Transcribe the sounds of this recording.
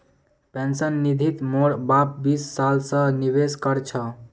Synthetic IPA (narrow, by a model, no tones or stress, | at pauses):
pensənːid̪ʱit̪moɽbap̚bisːalsə̃niβeskəɾt͡ʃʰʌ